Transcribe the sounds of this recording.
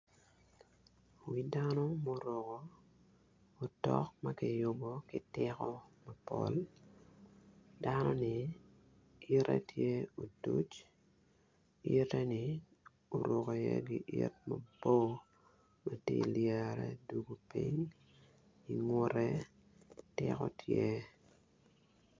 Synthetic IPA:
wi˦danɔ˦mo˦ɾo˨ko˦˨ | tɔ˦kmɐkɪ˨jʊ˨bɔ˨kɪ˨tɪkɔ˦mɐ˨pɔ̰˨l | danɔ˦nɪ˨ | ɪɾɛ̰˦tʰje˦o˨du˦t͡ʃ | i˦ɾɛ˦nɪ | o˨ɾo˨ko˨jɛ˦ɡɪ˨ʔi˦tmɐ˨bo˦ | ma˨tilja˨ɾɛ˦du˦ɡo˦pi˦ɲ | i˨ŋʊ˦ɾɛ˦ | tɪkɔ˦tʰje˦

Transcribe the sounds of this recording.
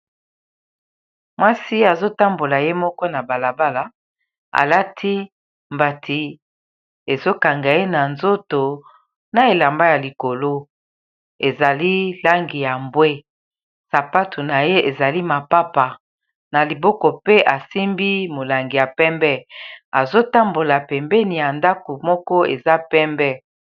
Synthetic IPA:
mwa˦si˦a˨zo˦ta˦mbo˨la˨je˦mɔ˦kɔ˦na˨ba˨la˨ba˦la˨ | a̰˨la˦tʰi˦ | mba˨tʰi˨ | e˨zo˦ka˨ŋɡa˨je˦na˨nzo˦to˨ | na˨e˨la˨mba˦ja˨li˨ko˨lo˦ | e˨za˨li˦la˦ŋɡi˨ja˨mbwe˦ | sa˨pa˦tʰo˨na˨je˦ʔe˨za˨li˦ma˨pa˦pa˨ | na˨li˨bɔ˦kɔ˨pe˦ʔa˨si˦mbi˦mo˨la˨ŋɡi˨ja˨pɛ˦mbɛ˦a˨zo˦ta˦mbo˨la˨pɛ˨mbɛ˦ni˨ja˨nda˦ko˨mɔ˦kɔ˦ḛ˨za˦pɛ˦mbɛ˦

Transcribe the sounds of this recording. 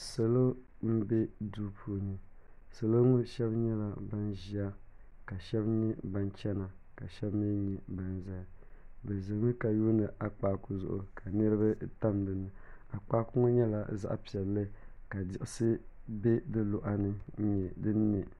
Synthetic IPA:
se˨lo˦ | m̩˦bɛ˦du˦pʰu˨nɨ˨ | se˨lo˦ŋu˦ʃɛ˦bɲɛ˦la˨ba˦nʒi˦a˦ | ka˨ʃɛ˦bnɨ˦ba˦nt͡ʃɛ˦na˨ | ka˨ʃɛ˦bmi˦ɲɛ˨ba˨nza˦˨bɛ˨zɨ˨ŋu˦ka˨juː˦nɨ˨ʔa˨k͡paː˦ku˦zʊ̰˦˨ʔʊ̰˨kʰa˨nɨ˦ɾɨ˦ba˦ta˦mdɨ˨nɨ˨a˨k͡paː˦kʊ˦ŋʊ˦ɲɛ˦la˨za̰˦ʔpi˨ɛ˨lːɨ˦ka˨dɪ˦˨ʔɪ˦sɨ˦bɛ˦dɨ˦lʊ˨ʔa˨nɨ˦ɲɛ˨dɨ˦nːɛ˨

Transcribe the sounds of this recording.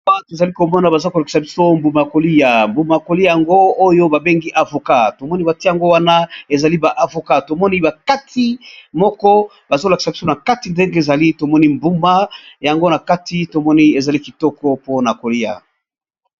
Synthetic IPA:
a˦twe˨za˨li˦ko˨mɔ˦na˨ba˨za˦ko˨la˨ki̥˨sa˨bi˦so˦mbu˨ma˨ja˨ko˨li˦ja˨mbu˨ma˨ko˨li˦ja˨ja˨ŋɡo˦o˦jo˦ba˨be˦ŋɡi˦ʔa˨vo˨ka˦to˨mɔ˦ni˦ba˨ti˦ja˨ŋɡo˦wa˦na˦e˨za˨li˦ba˨ʔa˨vo˨ka˦to˨mɔ˦ni˦ba˨ka˦tʰi˦mɔ˦kɔ˦ | ba˨zo˦la˨ki̥˨sa˨bi˦so˦na˨ka˦ti˨nde˦ŋɡe˦e˨za˨li˦to˨mɔ˦ni˦mbu˦ma˦ja˨ŋɡo˦na˨ka˦ti˦to˨mɔ˦ni˦e˨za˨li˦ki˨tɔ˦kɔ˦po˦na˨ko˨li˦ja̰˨

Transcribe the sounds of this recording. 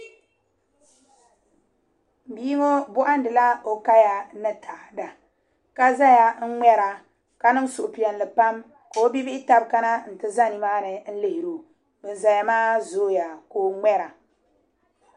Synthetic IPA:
biː˦ŋo˦bʊ˦ʔa˦n˦dɨ˨la˦o˨ka˦ja˨nɨ˦tʰa˨da˨ | ka˦za˦ja˨ŋ̩˦ŋɛ˦ɾa˨ | ka˦nɨ˦m˦sʊ˨ʔʊ˨pi˨ɛ˨n˨lɨ˨pa˦m | ko˨˦bi˦bɪ˦ʔɪ˦ta˦bka˦na˦n̩˨tɨ˦za˦ni˨maː˦nɨ˨n̩˦lɪ˨hɪ˨ɾo˨ | bɨ˨n˨za˨ja˨maː˦zoː˦ja˨koː˨˦ŋ͡mɛ˦ɾa˨

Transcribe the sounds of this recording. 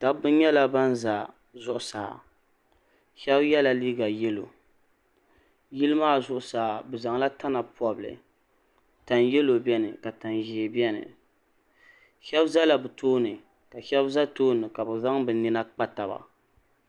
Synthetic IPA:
ta˦bbɨ˦n˦ɲɛ˦la˨ba˦n˦za˨ | zʊ˦ʔʊ˨saː˨ | ʃɛ˦bjɛ˦la˨liː˦ɡa˨jɛ˦lo̰˨ | ji˦lɨ˦maː˦˨zʊ˦ʔʊ˨saː˨bɨ˨za˨ŋ˦la˦tʰa˦na˨pɔ˨blɨ̰˨ | ta˨njɛ˦lo˨bɛ˦nɨ̰˨ka˨ta˨nʒi˨bi˦ɛ˦nɨ̰˨ | ʃɛ˦bza˦la˨bɨ˨toː˦nɨ˨ | ka˨ʃɛ˦bza˦toː˦nɨ˨ka˨bɨ˨za˦ŋbɨ˨nɨ˦na˦k͡pa˦ta˨ba̰˨

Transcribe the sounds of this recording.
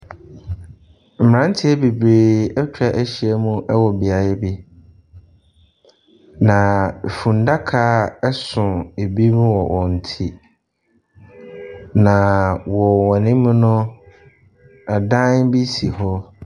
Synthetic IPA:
m̩˨ã˦n˦tʰɪ˦ɛ˦be˨bɾeː˨ɛ˦t͡ɕᶣɾa˨ʔæ˦ɕi˦ɛ˦mũ˦ʔɛ˦wɔ˨bi˨a˨ɾɛ˦bi˦ | nã˨fũ˨n˨da˦kʰa˦ɛ˦sʊ̃˨e˨bi˦mũ˦wɔ˨ʔɔ̃˨n̩˨tʰi˦ | nã˨wɔ˨wɔ̃˨nɪ̃˦mʊ̃˦nʊ̃˦ | a˨dã˦nbi˦si˨ɦɔ˦

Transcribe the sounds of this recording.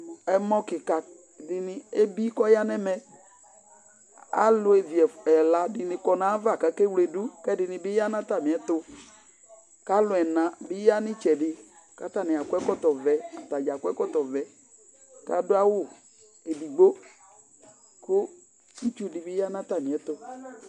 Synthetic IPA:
ɛ˦mɔ˦kɪ˨ka˨ | dɪ˨nɪ˦e˦bi˦kɔ˦ja˦nɛ˦mɛ˨ | a̰˦lʊ˨e˨vi˨ɛ˨ɛ˨la˨dɪ˨nɪ̃˨kɔ˨nã˨˦va˦˨ka˨kɛ˦wle˨du˦kɛ˦dɪ˨nɪ˨bɪ˦ja˦nã˦ta˨mɪ̃˨ɛ˨tʊ˦ | ka˦lʊ˨˦ɛ˨nã˨bɪ˦ja˦nɪ̃˦t͡ʃɛ˨dɪ˨ | ka˦ta˨nɪ̃˨a˨kʊ˦ɛ˦kɔ˦tɔ˨vɛ˨a˨ta˨d͡ʒa˨kʊ˦ɛ˦kɔ˦tɔ˨vɛ˨ | ka̰˦dʊ˦a˦wʊ˦˨ | e˨di˨ɡ͡bo˦ | kʊ˦ | i˦t͡ʃu˦dɪ˨bɪ˦ja˦nã˦ta˨mɪ̃˨ɛ˨˦tʊ˦

